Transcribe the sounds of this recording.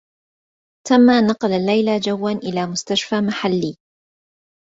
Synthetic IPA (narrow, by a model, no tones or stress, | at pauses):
t̪amːaːnɑqɑlalːajlad͡ʒawːanʔɪlaːmʊst̪aʃfaːmaħalːiː